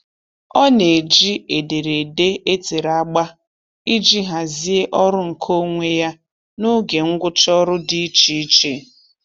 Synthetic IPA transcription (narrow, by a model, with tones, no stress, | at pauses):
ɔ˦ne˨d͡ʒi˦e˨de˨ɾe˨de˦e˦te˨ɾa˦˨ɡ͡ba˦ | i˦d͡ʒi˦ɦa˨zi˦e˦ʔɔ˦ɾʊ˦ŋ̩˨kʰo˦ŋʷe˦ja˦ | nʊ˦ɡe˨ŋ̩˦ɡʷʊ˦t͡ʃɔ˦ɾʊ˦di˦i˦t͡ʃi˨i˦t͡ʃe˦˨